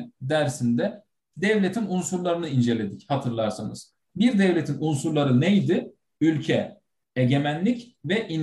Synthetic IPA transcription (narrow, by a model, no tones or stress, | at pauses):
d̪æɾsind̪ɛ | d̪ɛvlʲe̞t̪ʰinunsuɾlˠaɾɯnɯind͡ʒe̞lʲe̞d̪ichat̪ʰɯɾlˠaɾsanɯz̥ | biɾd̪ɛvlʲet̪ʰinunsuɾlˠaɾɯnejd̪ɪ | ylʲcʰɛ | eɟe̞mænlʲicvɛʔin